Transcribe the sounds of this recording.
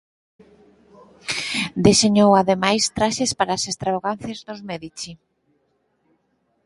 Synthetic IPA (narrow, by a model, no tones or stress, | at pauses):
d̪iseɲowaðemajst̪ɾaʃespaɾaːsest̪ɾaβaɣanθjezðʊzmeðit͡ʃi